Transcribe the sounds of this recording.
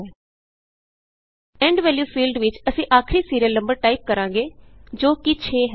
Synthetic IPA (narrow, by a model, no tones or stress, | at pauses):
ɛ̃ːɳɖʋɛːljuːfiːlɖʋɪt͡ʃəsĩːʔaːkʰɾiːsiːɾiəlːə̃mbəɾʈaːip̚kəɾãːŋɡeːd͡ʒoːkɪt͡ʃʰeːɦɛ